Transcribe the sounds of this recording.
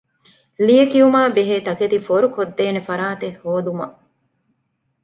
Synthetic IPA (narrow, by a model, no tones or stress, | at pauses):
lijekiumaːbeɦeːt̪ɐket̪ifoɾukod̪ːeːnefɐɾaːt̪ehːoːd̪umɐʔ